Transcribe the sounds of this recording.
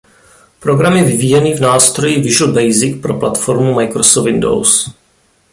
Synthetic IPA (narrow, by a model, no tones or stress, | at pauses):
pɾoɡɾamɪvɪviːjɛniːvnaːst̪ɾo̞jivɪʒl̩bɛjzɪk̚pɾo̞plat̪foɾmumajkɾosofɪndo̰ws